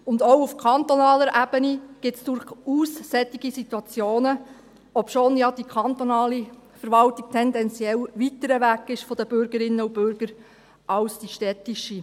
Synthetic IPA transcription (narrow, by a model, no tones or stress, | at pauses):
ʊndowufkʰɑnt̪ɔnɑːləɾʔæb̥əniɡ̥ɪtsd̥ʊɾχuːsːɛt̪ːiɡisit̪wɑt͡sjoːnə | ɔpʃoːnjɑd̥ikʰɑnt̪onɑːlifəɾʋɑltiɡ̚t̪ʰɛndɛnt͡sjɛlʋit̪əɾəʋækːɪʃfɔd̥̪əb̥ʏɾɡəɾɪnːəubʏɾɡ̥əɾ | ɑlsd̥iʃtɛtiʃi